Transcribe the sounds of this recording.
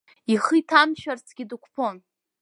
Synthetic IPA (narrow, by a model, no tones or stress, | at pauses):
iχɨjtʰamʃᶣart͡sʰɡʲɪdukʷʰpʰo̞n